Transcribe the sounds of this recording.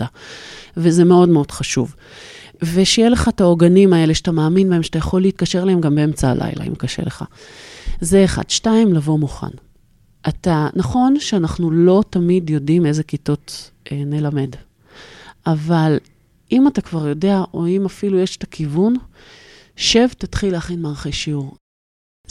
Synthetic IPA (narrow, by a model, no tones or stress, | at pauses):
avezemeo̞dmeo̞d̥χaʃuv | veʃejeʃle̞χataoɡanimae̞leʃatamaːminbae̞mʃat̪ajaχo̞lːeit̪̚kaʃe̞ʁlahe̞mɡambeemt͡saa̰lʔa̰jla̰ḭmkaʃḛleχa̰ | zeːχa̰d̥ʃtaimlavo̞muχa̰n | ʔatanaχo̞nʃeanaχnulo̞tamidjo̞dime̞zekito̞t | ʔene̞lame̞d | ʔaval | imatakvaʁjo̞de̞aʔo̞imafilujeʃe̥takʰivun | ʃevtatχilehaχinmeːʁχejʃiuʁ